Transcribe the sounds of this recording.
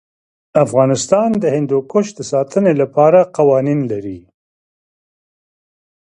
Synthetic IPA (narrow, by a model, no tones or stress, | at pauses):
afɣɑnɪst̪ɑnd̪əhɪnd̪ukoʃd̪əsɑt̪ʰənelapɑɾaqawɑninlaɾi